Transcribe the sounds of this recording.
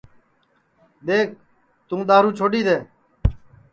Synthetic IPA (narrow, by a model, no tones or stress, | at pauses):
d̪eːk̚ | t̪ũːɗ̪aːɾũːt͡ʃʰoːɖiːd̪eː